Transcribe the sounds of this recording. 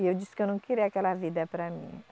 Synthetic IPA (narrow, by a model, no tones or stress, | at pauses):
ewd͡ʒust̪̚kənũw̃kiɾiakɛlavid̪ɐpɾamḭ̃